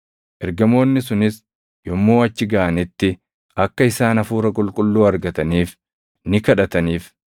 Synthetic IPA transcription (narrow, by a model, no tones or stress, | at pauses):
ʔɛɾɡɐmo̞ːnːɪs̬ʊnɪs | jɔmːoːɐt͡ʃːɪɡɐʔɐnɪt̪ːɪ | ɐkːɐɪsaːnɐfuːɾɐkʼʊlkʼʊlːuːɐɾɡɐt̪ɐniːf | nɪkɐᶑɐt̪ɐniːf